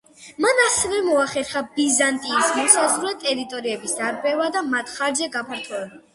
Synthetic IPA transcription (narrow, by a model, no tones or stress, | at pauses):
manasɛvɛmɔaχɛɾχabizant̪ʼiːsmɔsazʁɾɛt̪ʼɛɾit̪ʼɔɾiɛbisd̪aɾbɛvad̪amat̪ʰχaɾzɛɡapʰaɾt̪ʰɔɛba